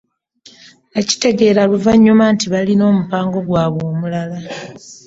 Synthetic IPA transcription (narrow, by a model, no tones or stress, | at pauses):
aci̥te̞ɡe̞ːɾaluvaɲːumaːntiβalino̞ːmupaːŋɡo̞ɡwaːβo̞ːmulala